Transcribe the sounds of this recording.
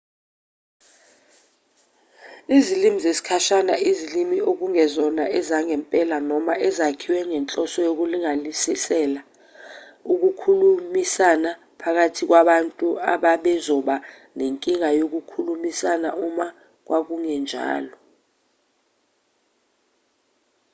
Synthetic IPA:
izilimizesi̥kʰaʃanaizilimiok̬uŋɛzɔnaʔɛzaŋɛmpʼɛlanɔmaʔɛzakʰiwɛŋɛnt͡ɬʼɔsɔjok̬uliŋalisisɛla | uk̬ukʰulumisana | pʰak̬atʰik̬waɓantʼuaɓaɓɛzɔɓa | neŋkʼiŋajok̬ukʰulumisanaʔuma | k̬wʔak̬uŋɛnd͡ʒʱa̰ːlɔ

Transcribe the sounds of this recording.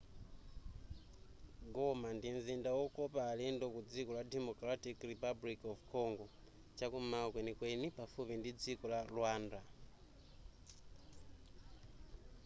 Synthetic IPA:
ɡɔmandinzindawɔkɔpaːlɛndɔkud͡zikɔladɛmɔkɾatikripablikɔvkʰɔŋɡɔ | t͡ʃakumakwenikwenipafupindid͡zikɔlalwaːnda

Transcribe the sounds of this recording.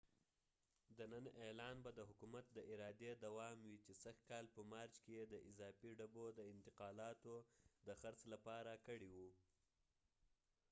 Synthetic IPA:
d̪ənənʔelɑnbad̪əɦʊkumat̪̚d̪əʔɪɾɑd̪ed̪awɑmwit͡ʃesaxt̪̚kɑlpəmɑɾd͡ʒkejed̪əʔɪzɑfiɖabod̪əɪnt̪ɪqɑlɑt̪od̪əxaɾt͡slapɑɾakəɽiwu

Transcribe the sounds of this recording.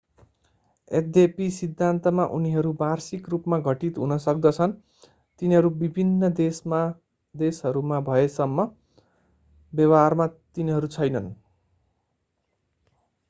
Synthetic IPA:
ed̪jepisid̪ʱːant̪ʌmaʔuniɦʌɾubarsikrupmaɡʱʌʈit̪ɦunʌsʌkd̪ʌt͡sʰʌn | t̪iniɦʌɾubibʱinːʌd̪esa | d̪esɦʌɾumabʱʌesʌmːʌ | bjʌwarmat̪iniɦʌɾut͡sʰʌjnʌn

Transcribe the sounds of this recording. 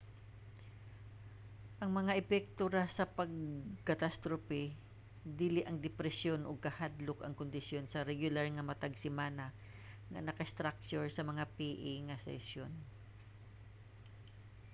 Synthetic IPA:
ʔɐŋmɐŋaʔɛpɛk̚t̪oɾasɐpɐɡ̚kɐt̪ast̪ɾopɛ | d̪iːlɪʔɐŋd̪ɛpɾɛsjo̞nʔoɡ̚kɐhad̪lokɐŋkʊnd̪ɪsjo̞nsɐɾɛɡjʊlaɹŋɐmɐt̪ɐɡsɪmaːnɐ | ŋɐ̰nɐkɐɪst̪ɾak̚t͡ʃoɹsɐmɐŋapiʔɪŋɐsɛ̰sjon

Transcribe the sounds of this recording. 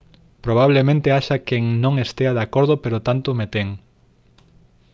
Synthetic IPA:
pɾoβ̞aβ̞lemẽnt̪eaʃakeŋnõŋest̪eaðakoɾð̞opeɾot̪ant̪omet̪eŋ

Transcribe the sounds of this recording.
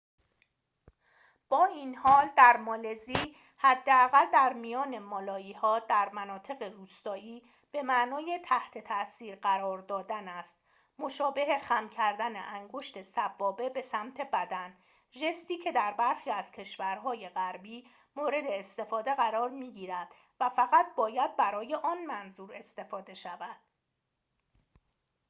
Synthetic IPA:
b̥ɒːiːnhɒːld̪æɾmɒːle̞ziː | hæd̪ːe̞æɣæld̪æɾmijɒːne̞mɒːlɒːiːhɒːd̪̥æɾmænɒːt̪ʰe̞ɣeruːst̪ɒːʔiː | b̥e̞mæʔnɒːje̞t̪ʰæht̪ʰe̞t̪ʰæsiːɾɢæɾɒːɾd̪ɒːd̪ænæst̪ | mo̞ʃɒːbe̞ɦe̞xæmcʰæɾd̪ænḛʔæŋɡo̞ʃt̪e̞sæbːɒːbe̞be̞sæmt̪ʰe̞bæd̪æn | ʒe̞st̪iːcʰe̞d̪æɾbæɾxiːæz̥cʰe̞ʃvæɾɦɒːje̞ɣæɾbiː | moːɾe̞d̪e̞ːst̪e̞fɒːd̪e̞ɣæɾɒːɾmiːɟiːɾæd̪̥ | væfæɣæt̪̚bɒːjæd̪̚bæɾɒːje̞ʔɒːnmænzuːɾe̞st̪e̞fɒːd̪e̞ʃævæd̪̥̚

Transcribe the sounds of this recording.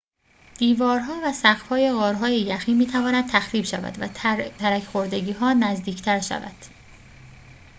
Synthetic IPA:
d̪̥iːvɒːɾɦɒːvæsæɣfhɒːje̞ɣɒːɾɦɒːjejæxiːnmiːt̪ʰævɒːnæd̪̥̚t̪ʰæxɾiːbʃævæ̰d̪væ̰t̪ʰæɾæcʰxoɾd̪e̞ɟiːɦɒːnæzd̪iːcʰt̪ʰæɾʃæ̰væ̰d̪̥

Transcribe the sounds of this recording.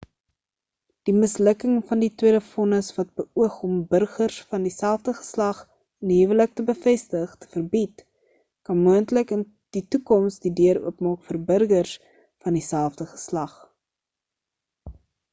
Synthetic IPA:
d̥iməsləkəŋfɐnditwiədəfɔnəsvɐt̚bəʔuəχɔmbərχərsfɐndisælˠfdəχə̥slɐχ | ənɦivələk̚təbəfɛstəχtə̥fərbit | kɐnmuəntləkən | d̥itukɔmsdidøəɾṵəpmɑːkfərbərɡərs | fɐndisælˠfdəχə̥slɐχ

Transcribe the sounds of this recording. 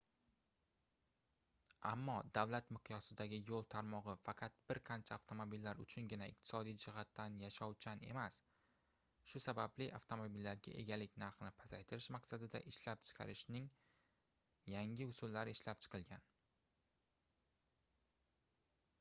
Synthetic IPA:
amːɒd̪avlat̪mɨqʰjɒsɪd̪aɡʲɪjolˠt̪ʰaɾmɒʁɨfɑqʰɑt̪̚b̥ɪɾqʰant͡ʃʰaaft̪ʰo̞mobilːaɾʊ̰t͡ʃʰʊnɡʲɪnaɪ̰q̚t̪ʰɪ̥sɒd̪ijd͡ʒɪɦat̪ːanjaʃɒwt͡ʃʰane̞mas | ʃʊsabablɪʔaft̪ʰomobilːaɾɡʲa̰ʔe̞̰ɡʲalɪkʲnaɾχnɪpʰasajt̪ʰɪɾɪʃmaqsad̪ɪd̪a̰ʔɪʃlap̚t͡ʃʰɨ̥qʰɑ̰ɾɪʃnɪŋ | jaŋʲɪʊsʊlːaɾɪɪʃlap̚t͡ʃʰɨ̥qʰɨlɡʲan

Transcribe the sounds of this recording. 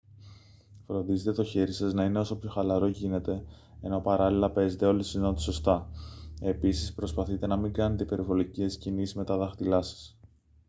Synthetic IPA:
fɾo̞nd̪izet̪et̪o̞çe̞ɾisɐznɐineo̞sopço̞xɐlɐɾo̞ʝine̞t̪e̞ | eno̞pɐɾɐlilɐpe̞ze̞t̪e̞o̞lisino̞t̪i̥so̞st̪ɐe̞pisispɾo̞spɐθit̪e̞nɐmiŋɡɐne̞t̪e̞ipe̞ɾivo̞licescinisizme̞t̪ɐðɐxt̪ilɐsɐ̥s

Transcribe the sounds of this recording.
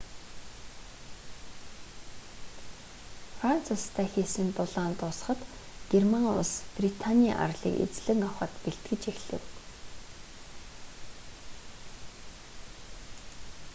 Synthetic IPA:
fran̥t͡sʰʊst̪ʰæːxeːsɘ̆nt̪ʊɮaːnt̪ʊsχə̆t̪ɡ̥ermaŋʊ̰sprit̪ʰanʲiaʔa̰rɮḭːkḛt͡sɮɘ̆ŋawχə̆t̪peɬt̪ɡɘ̆t͡ɕexɮɘ̰̆w

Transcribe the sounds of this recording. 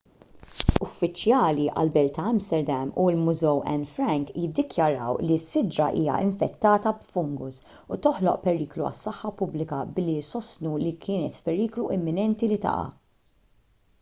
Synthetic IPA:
ʊfːɪt͡ʃːjɐːliʔɐ̰lbɛlt̪ɐɐmst̪ɛɾd̪ɛmulmʊzɛwɛ̰nfɾɛŋkjɪd̪ːɪkjɐɾɐwlisːɪd͡ʒɾɐ̰ʔḭːjɐ̰ʔɪ̰ɱfɛt̪ːɐːt̪ɐbfʊŋɡʊs | ut̪ɔħlɔʔpɛɾiːkluɐ̰sːɐħːɐpʊblɪkɐbɪlːisɔst̪nulikʰɪːnɛt̪fpɛɾiːkluʔɛmːɪnɛnt̪ilit̪ɐ̰ʔɐ̰

